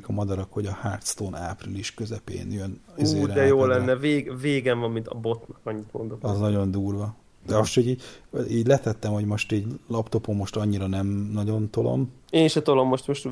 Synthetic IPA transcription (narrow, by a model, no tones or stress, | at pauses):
kɒmɒd̪ɒɾɒkho̞ɟɒhaːrt̪st̪oːna̰ːpriliʃkø̞zɛpḛːnjøniuzːeːɾd̪ɛjoːlːɛnːɛveːɡveːɡɛɱvɒmːint̪ɒbo̞t̪nɒkɒɲːit̪ond̪okɒznɒɟo̞nd̪uːrʋɒ | d̪ɛoʃt̪hoɟiːɟiːɟlɛt̪ɛt̪ːɛmho̞ɟmo̞ʃt̪iːɟlɒpt̪o̞po̞mːo̞ʃt̪ɒɲːiɾɒnɛmnɒɟo̞nt̪o̞lo̞̰m | eːnʃɛt̪olo̞mːo̞ʃt̪moʃt̪